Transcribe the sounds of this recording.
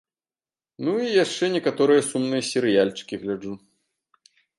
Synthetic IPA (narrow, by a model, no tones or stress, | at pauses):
nuijaʂt͡ʂɛnʲɛkat̪ɔɾɨjɐsumnɨjɐsʲɛɾɨjalʲt͡ʂɨ̥kʲiɣlʲad͡ʐu